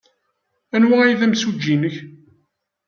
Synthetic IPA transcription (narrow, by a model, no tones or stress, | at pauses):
ænwææjðæmsud͡ʒːinəç